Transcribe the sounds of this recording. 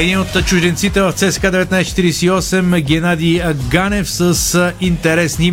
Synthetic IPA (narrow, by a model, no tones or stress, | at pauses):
ɛd̪inot̪t͡ʃuʒd̪ɛnt̪sit̪ɛvɐft̪sɛsɛ̥kad̪ɛvɛt̪najst͡ʃɛt̪iɾiɛsiɔsɛmɡʲɛnad̪iɡanɛfsəsint̪ɛɾɛsni